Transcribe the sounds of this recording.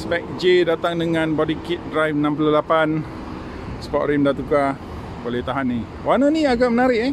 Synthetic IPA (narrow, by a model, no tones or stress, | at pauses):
sbɛk̚d͡ʒedat̪aŋdəŋãnbɔdikit̪̚dɾajfnãmpululapan | spɔʔɾimdat̪uka | bolɛht̪aɦanːi | wanənĩaɡaʔmənaɾɪʔ